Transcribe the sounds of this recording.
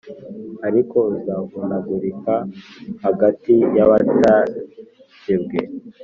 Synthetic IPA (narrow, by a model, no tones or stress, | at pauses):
aɾiko̞zavunaɡuɾikahaɡatijaβata | sibɡḛ